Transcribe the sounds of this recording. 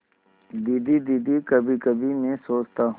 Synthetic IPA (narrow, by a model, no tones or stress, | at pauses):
d̪iːd̪id̪iːd̪ikəbʱikəbʱimẽsoːt͡ʃt̪aː